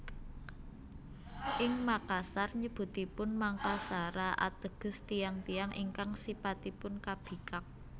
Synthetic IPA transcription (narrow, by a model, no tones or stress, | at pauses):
ʔɪŋmakasarɲəb̥ṳt̪ipʊnmaŋkasaɾaʔa̰t̪əɡ̥ə̤st̪ijaŋt̪ijaŋʔḭŋkaŋsipat̪ipʊnkab̥i̤kak̚